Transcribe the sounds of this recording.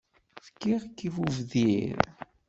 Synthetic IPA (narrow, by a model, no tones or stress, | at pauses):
fkːiʁkːifuvðiɾ